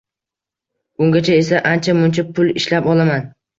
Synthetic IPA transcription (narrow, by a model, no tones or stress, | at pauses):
ʊŋɡʲat͡ʃʰae̞saʔant͡ʃʰamʊnt͡ʃʰapʰʊlˠɪʃlapɒlˠaman